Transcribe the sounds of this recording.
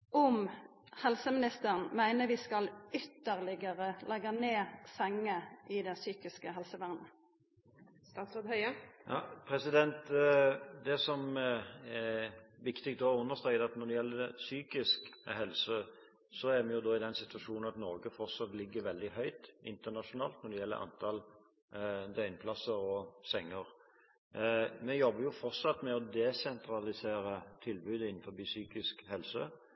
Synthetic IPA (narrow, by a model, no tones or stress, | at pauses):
ɔm | hɛlsəmɪnɪst̪əʁənmæɪnəʋɪskɑlʏt̪ːəʁlɪɡəʁəlɛɡɑneːsɛŋːəʔɪd̪ɛsyːkɪskəɦɛlsəʋæʁnə | st̪ɑːt̪sɔd̪hœʏəjɑːpʰɾɛsɪd̪ɛnt̪ | d̪ɛsɔm | ɛʋɪkt̪ɪk̚t̪d̪oːʉnːəst̪ɾœʏd̪ɑt̪nɔd̪ɛjɛlːəd̪ɛsyːkɪskɦɛlsə | sɔæɾmɛjʊd̪oːɪd̪ɛnsɪt̪ʉʋɑʂuːnn̩ɑt̪nɔːɡəfɔʁsɑt̪lɪɡːəɾʋɛld̪ɪhœʏt̪ʔɪ̰nt̪ənɑʂʊnɑːlt̪nɔd̪ɛjɛlːə̰ɾʔɑ̰nt̪ʰɑl | d̪œʏnpʰlɑsːəɾɔsɛŋːəʁ | mɛjɔbːəɾjʊfɔʁsɑt̪ːmɛɔd̪ɛsɛnt̪ɾɑlɪseːɾət̪ʰɪlbʉːd̪əɪn̩ːfɔɾbisyːkɪskhɛlsə